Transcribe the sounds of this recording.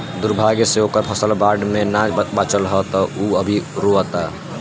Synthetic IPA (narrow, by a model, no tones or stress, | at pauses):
d̪uɾbʱaɡseokəɾpʰəsəlbaɾɖmẽnad͡ʒbaːt͡ʃəlɦət̪ɔuəbʱiɾoət̪a